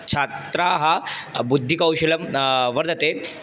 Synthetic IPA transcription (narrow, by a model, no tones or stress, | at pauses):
t͡ɕʰat̪ɾaɦabud̪ʱːikawɕeləmʋəɾd͡z̪ʱat̪e